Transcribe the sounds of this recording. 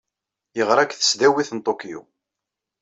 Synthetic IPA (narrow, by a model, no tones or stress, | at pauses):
jəʁɾˤækθə̥sd̪æwiθənt̪ˤokijṵ